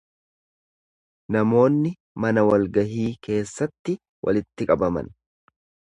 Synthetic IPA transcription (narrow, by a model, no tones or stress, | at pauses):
nɐmo̞ːnːɪ | mɐnɐwɐlɡɐɦiːke̞ːsːɐt̪ːɪ | wʔɐ̰lɪt̪ːɪkʼɐbɐmɐ̰n